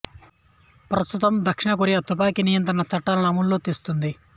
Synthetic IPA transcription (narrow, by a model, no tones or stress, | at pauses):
pɾɐst̪ut̪ɐmd̪ɐkʂiɳɐkuɾiɐt̪up̬aːkinijɐnt̪ɾɐɳɐt͡ʃɐʈːaːlɐnɐmullo̞ːt̪iːst̪und̪i